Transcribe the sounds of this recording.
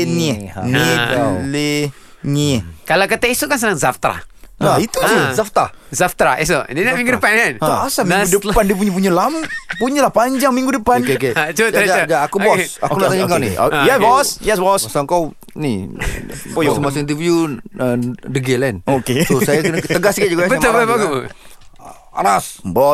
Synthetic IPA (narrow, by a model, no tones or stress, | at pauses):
niniale | ɲikalak̬ət̪ɛisukansənaŋzaft̪ɾa̰ait̪usizaft̪azaft̪ɾa̰isodinamiŋɡudəpananaasamudəpandiəpuɲap̬uɲalampuɲalahpaɲd͡ʒaŋmiŋɡudəpankeket͡ʃotajaakubɔakkunaad͡ʒaŋkawnɪ̰a̰jɛsbɔsjɛsbɔssaŋkaw | nɪ | səmasnt̪əfjuədəɡɛlɛnoket̪usajaknt̪əɡasɡɛʔd͡ʒuɡabəmʊlbbak | a̰ɾasbɔ